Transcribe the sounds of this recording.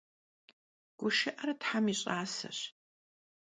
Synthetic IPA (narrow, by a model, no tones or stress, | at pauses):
ɡ̥ʷʊʃɪʔɐɾɐtħamiɕʼaːsɐ̰ɕ